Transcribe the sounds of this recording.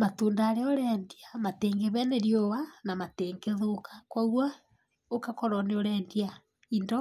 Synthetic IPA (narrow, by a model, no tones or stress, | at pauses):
matuːndaːɾeoɾɛndiamateŋɡeβɛneɾjowanamateŋɡeðokḁkwaɣwa | okakɔɾɔneoɾɛːndia | indɔ